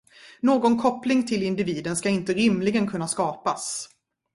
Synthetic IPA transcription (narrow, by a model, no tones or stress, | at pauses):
noːɡɔnkʰɔplɪŋt̪ʰɪlɪnd̪ɪviːd̪ənskaɪnt̪əɾɪmːlɪɡənkʰɵnːaskɑːpas